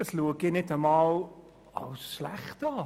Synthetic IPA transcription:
əsluəɡɪnɪtəmɑːl | ɑ̰wsʃlæχtɑː

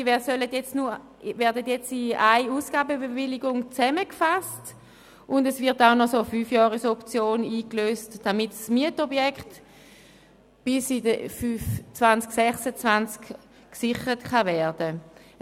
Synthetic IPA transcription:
ɛsœlətjɛt͡stnu | vɛɐdətjɛt͡siaɪuːsɡ̥aːbəbevɪlɪɡʊŋt͡sɛməkfast | ʔʊndɛsvɪɐtaʊnɔsofyːfjɔːʁəsɔpt͡sjoːniːkløːstd̥amitsmiətɔbjɛkχt | b̥ɪsidəfyft͡svant͡sksɛχsət͡svant͡sk | ksɪχəʁətkavɛɐdə

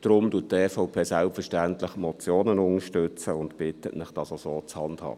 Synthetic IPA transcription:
d̥ɾʊmd̥uət̚tɛːfɔʊpʰeːsælpfəʃtæntlɪχmɔt͡sjoːnənʊŋəʃtʏt͡səʊndb̥ɪtətnɪχd̥ɑsosoːt͡shɑndhɑ̰ː

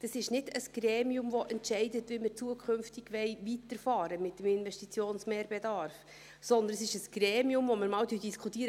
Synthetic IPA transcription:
d̪̥ɑsɪʃnɪdəsɡ̥ɾɛːmiʊmvɔʔɛntʃɛɪdətʋɪmɪɾt͡suəkʰχʏmftɪɡ̥ʋɛɪʋitəɾfɑːɾəmɪt̚ːəmɪnʋɛʃtit͡sjoːnsmɛːɾb̥edɑɾf | sɔnd̪ənəsɪʃəsɡ̥ɾɛːmiʊmvɔməɾmɑːwdyd̥iskʰut̪iːəɾ

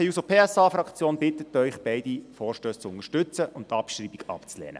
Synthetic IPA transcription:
iusopʰeːɛsɑːfɾɑkt͡sjoːnbɪt̪ːətœʏχb̥ɛɪdifɔːrʃtøːst͡sʊnəʃtʏt͡səʔʊntːɑpʃɾiːbiɡɑ̰pt͡slɛ̰ːnə̰

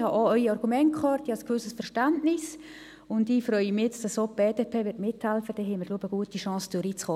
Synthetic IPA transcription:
hɑʔoœʏiɑrɡumɛntkχɑːɾtiɑlskʋʏsəsfɛɾʃtantnɪs | ʊndifrœʏəmɪɛt͡sd̥ɑsob̥eːdeːpʰeːʋɪɾtmɪthɛlfəd̥ɛɦɛɪməɾɡluəbəɡ̥uətiʃɑ̃ːsdyɾiːt͡sχoː

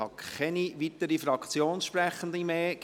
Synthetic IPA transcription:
ɑ̰kɛniʋit̪əɾifɾɑkt͡sjoːnsʃpɾɛχəndimeːɡ̥

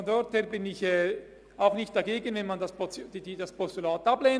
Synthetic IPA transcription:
ɔndɔɾtheːɾbɪnɪçɛː | aʊxnɪçtd̥aɡeːɡənvɛnmandaspɔd̥ididaspʰɔstylaːtableː

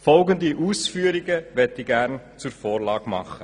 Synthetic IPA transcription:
fɔlɡəndiʔuːsfyːəɾiɡəvɛtiɡæɾnt͡suɾfoːrlɑːɡ̥mɑ̰χə

